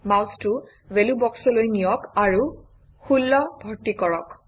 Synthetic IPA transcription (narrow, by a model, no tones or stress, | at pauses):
mawstu | welubɔksɔlojnijɔkaɹu | xulːɔbʱɔɹtikɔɹɔk